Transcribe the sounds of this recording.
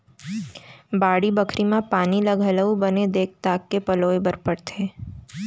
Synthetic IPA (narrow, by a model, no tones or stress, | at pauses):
baːɽibəkʰɾimãpaːniləɡʱələubəned̪eːk̚t̪aːkːepɐloːebəɾpəɽt̪ʰeː